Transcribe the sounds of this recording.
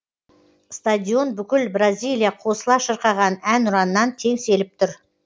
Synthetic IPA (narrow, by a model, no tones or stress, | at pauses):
st̪ad̪ʲio̞nbʏkʲɪlbrazʲijlʲˠijaqʰo̞səlˠɑʃəɾqɑʁɑnænʊɾɑnənːɑnt̪ʰe̞ŋse̞lɪp̚t̪ʰʊɾ